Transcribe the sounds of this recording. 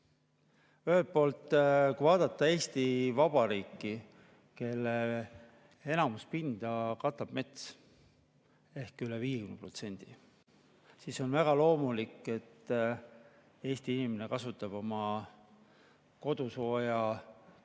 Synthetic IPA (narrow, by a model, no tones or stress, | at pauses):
yhelt̪̚po̞ːlt̪ˑːkujvɑːd̪̥ɑt̪ːɑe̞ːst̪ivɑb̥ɑɾiːkːi | ke̞lːe | e̞nɑmuspind̪̥ɑkɑt̪ːˑɑb̥me̞t̪s | e̞hkyleviːjekymneprot̪se̞nʲd̪̥i | siːso̞nvæɡ̥ɑlo̞ːmulikːˑe̞t̪ː | e̞ːst̪iinimenekɑsut̪ːˑɑb̥o̞mɑ | ko̞d̪̥uso̞ːjɑ